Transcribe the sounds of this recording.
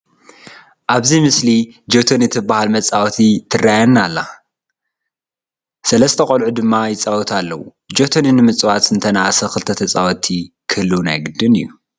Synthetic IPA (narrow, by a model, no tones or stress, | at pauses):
ʔaβzimɨslid͡ʒot̪ʰonit̪ʰɨbːahalmɐt͡sʼawɔt̪ʰit̪ʰɨrajanːalːa | sɐlɐst̪ʰɐkʼolʕud̪ɨmːajɪt͡sʼawɔt̪ʰalːɐwu | d͡ʒot̪ʰoninɨmɨt͡sʼwat̪ɨnt̪ʰɐnaʔasɐxɨlɨt̪ʰɐt̪ʰɐt͡sʼawɔt̪ʰi | kʰɨlːuna̰jɡɨd̪ɨnɨ̰jːu